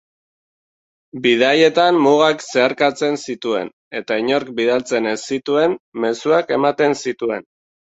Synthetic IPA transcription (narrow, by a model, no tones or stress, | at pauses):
biðaje̞t̪ammuɣakse̞aɾkat͡se̞nsit̪ue̞̰n | e̞t̪aiɲo̞ɾkbiðalt͡se̞nesit̪ue̞nme̞suake̞mat̪e̞nsit̪ue̞n